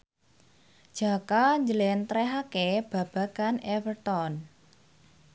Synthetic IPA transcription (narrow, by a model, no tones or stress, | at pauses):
d̥ʒ̥a̤kaɲd͡ʒəlɛnt̪ɾɛɦakeb̥ä̤b̥a̤kanɛfərt̪ɔn